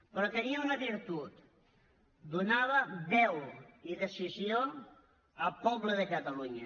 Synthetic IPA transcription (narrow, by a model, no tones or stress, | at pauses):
pɾɔk̪əɾiəunəβiɾt̪ut̪ | d̪unaβəβɛwiðəsizio | əlpɔβləðəkət̪əluɲə